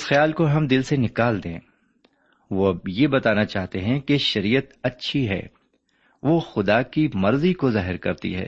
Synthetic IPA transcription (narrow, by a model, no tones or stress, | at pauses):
ɪsxjaːlkoɦɐmd̪ɪlsenɪkaːld̪ḛ̃ː | ʋojebɐt̪aːnat͡ʃaːɦt̪eɦɛ̃keʃɐɾiːət̪ɐtːʃʰiɦɛ̰ː | ʋoxʊd̪akimɐɾzikozaːɦɪɾkɐ̰ɾt̪ḭɦɛ̰ː